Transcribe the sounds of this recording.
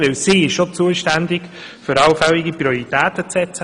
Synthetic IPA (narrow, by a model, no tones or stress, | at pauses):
vɪwsiːɪʃʃot͡suəʃtænd̪ɪɡ | fʏɾɑwfɛliɡiprioɾit̪æːt̪ət͡sɛt͡sə